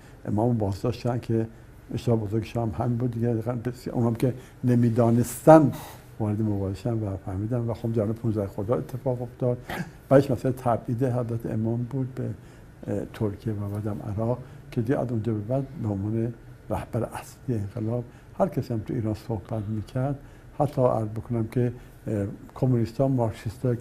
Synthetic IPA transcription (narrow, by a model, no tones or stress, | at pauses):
ʔḛmɒːmbɒːzd̪ɒːʃt̪ːod̪ænkʰe | eʃt̪ehɒbo̞zoɾɡeʃɑmhænbuːd̪ːiɡeɡæbesjʔṵnhɑmkʲʰe | nemiːd̪ɒːnest̪æn | vɒːɾed̪emobɒːɾeʃænvæfæɾmiːd̪ænvæxobd̪æɾunepʰunzæhexod̪ɒːe̞t̪ʰːe̞fɒːɣoft̪ɒːd̪̥bæd̪eʃmæsælet̪ʰæbʔiːd̪ehæzbæt̪ʰːḛʔḛmɒːmbuːd̪̚be | t̪ʰoɾkʰijevæbæd̪æmæ̰ɾɒːʁkʰed̪iɡʔæ̰zund͡ʒɒːbebæd̪beonvɒːne | ɾæhb̥æɾḛʔæslijeeŋɡelɒːb̚ | hæɾkʰæsiːæmt̪ʰuḭːɾɒːnsohb̥æt̪miːkʰæɾd̪̥ | hæt̪ʰːɒæ̰ɾzbekʰonæmkʰe | kʰomunist̪ɒmɒɾʃʰist̪ɒ